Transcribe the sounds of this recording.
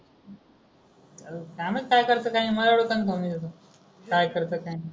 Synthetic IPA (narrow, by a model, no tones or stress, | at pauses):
alkaməkajkəɾt̪əːkaɦĩməlaɽokankomid͡ʑat̪o | kajkəɾt̪əːkaɦĩ